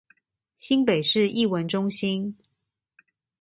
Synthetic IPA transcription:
ɕi˥npe˨˩ɪʂɻ̩˥˧i˥˩wə˧˦nʈ͡ʂʊ˥ŋɕi˥n

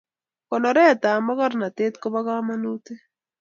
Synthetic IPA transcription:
kɔ˨nɔ˨ɾɛ˦˨t̪a˨mɔ˦kɔ˦ɾna˨t̪e˦t̪kɔ˦ba˦ka˦ma˦nu˦t̪e˦

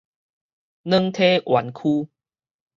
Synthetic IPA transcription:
nə̃˦ŋt̪ʰe˦ʔwʔa˨˦nkʰu˦

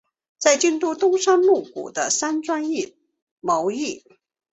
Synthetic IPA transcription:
t͡sa˥˧ɪt͡ɕi˥˧nt̪u˥t̪ʊ˥ŋʂa˥nlu˥˩kṵ˨˩d̪ə˦sa˥nʈ͡ʂwa˥ni˥˩ | mo˧˥ʊi˥˩

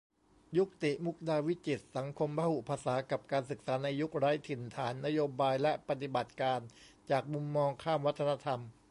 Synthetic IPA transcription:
ju˦˥k̚t̪i˨˩ʔmu˦˥k̚daː˧wi˦˥t͡ɕi˨˩t̪̚sa˩˦ŋkʰo˧mpaː˧hu˨˩pʰaː˧saː˩˦ka˨˩p̚kaː˧nsɯ˨˩k̚saː˩˦na˧jːu˦˥k̚ɾaː˦˥jt̪ʰi˨˩nt̪ʰaː˩˦nːa˦˥joː˧baː˧jlɛ˦˥pa˧t̪i˨˩ba˨˩t̪̚kaː˧nt͡ɕaː˨˩k̚mu˧mːɔː˧ŋkʰaː˥˩mwa˦˥t̪ʰːa˧na˧˥t̪ʰa˧m

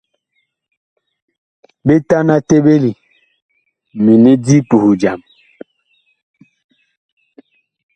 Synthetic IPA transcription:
be˦ta˦na˦te˦be˦li˨ | mi˨ne˦di˦pu˨hu˨d͡ʒa˨m

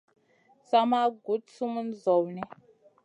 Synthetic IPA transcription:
sa˦ma˦ɡu˨˦t̚su˦mu˦n˦zɔ˨wnɛ˦

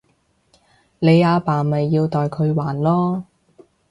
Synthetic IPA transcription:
le˨˧jaː˨˧paː˨˩mɐ˨jːiː˧wt̪ɔː˨jkʰɵ˨˧ɥwaː˨˩nlɔː˥

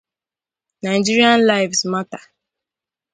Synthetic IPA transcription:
na˨ɪd͡ʒi˦ɾi˦ã˦nla˦ɪvsma˦tḁ˨

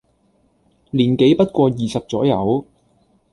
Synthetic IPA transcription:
liː˨˩nke˨˥jpɐ˥t̚kʷɔː˧jiː˨sɐ˨p̚t͡sɔː˨˥jɐ˨˧w

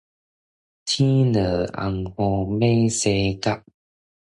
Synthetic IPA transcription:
t̪ʰi˦nə˨˩a̰˧ŋhɔ˧me˦se˧ka˦p̚

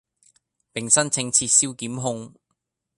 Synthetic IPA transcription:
pɪ˨ŋsɐ˥nt͡sʰɪ˧ŋt͡sʰiː˧t̚siː˥wkiː˨˥mɦʊ˥ŋ

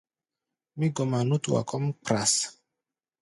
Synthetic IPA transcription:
mi˦ɡɔ˨ma˨nu˦t̪u˨wa̰˨kʰɔ˦mpɾa˨s

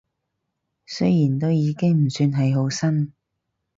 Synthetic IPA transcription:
sɵ˥ɥjiː˨˩nt̪o˥wjiː˨˧kɪ˥ŋm̩˨˩syː˧nɦɐ˨jɦo˨˥wsɐ˥n

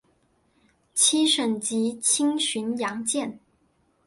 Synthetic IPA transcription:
t͡ɕʰi˥ʂə˨˩nt͡ɕi˧˥t͡ɕʰi˥ŋɕy˧˥njɑ˧˥ŋt͡ɕjɛ˥˩n

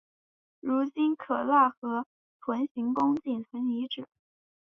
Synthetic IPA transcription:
ɻu˧˥t͡ɕi˥nkʰɤ˨˩la˥˩xɤ˧˥ | t̪ʰwə˧˥nɕi˧˥ŋkʊ˥ŋt͡ɕi˥˩nt͡sʰə˧˥ni˧˥ʈ͡ʂɻ̩˨˩˦

